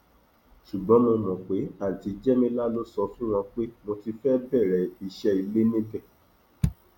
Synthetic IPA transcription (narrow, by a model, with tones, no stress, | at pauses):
ʃu˨ɡ͡bɔ̃˨˦mũ˧nɔ̃˨k͡pe˨˦a˦˨ti˨˧d͡ʒɛ˦mĩ˧la˦lo˦sɔ˧fũ˦w̃ɔ̃˧k͡pe˦mõ˧ti˧fɛ˦bɛ˦˨ɾɛ˨i˦˨ʃɛ˧i˧le˦nĩ˦kɛ˦˨